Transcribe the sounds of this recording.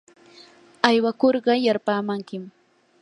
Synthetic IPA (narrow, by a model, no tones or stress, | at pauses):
ajwakoɾɢɑjaɾpaːmaŋkɪm